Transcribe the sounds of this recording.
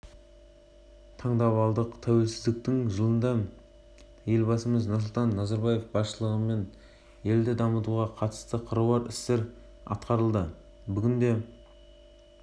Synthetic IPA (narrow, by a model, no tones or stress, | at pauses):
t̪ʰɑɴd̪ɑβɑlˠd̪əqt̪ʰæwe̞lsɪzd̪ɪk̚t̪ɪŋʒəlˠənd̪ɑ | je̞lbɑsəməznəs̬lˠt̪ʰɑnːɑzɑɾbɑje̞fbɑsʃəlˠəʁəme̞n | je̞ld̪ɪd̪ɑmət̪uʁɑqʰɑt̪ə̥st̪əqʰəɾəwɑɾɪ̰st̪e̞ɾ | ɑ̰t̪qɑɾəlˠd̪ə | bʏɡʲɪnd̪e̞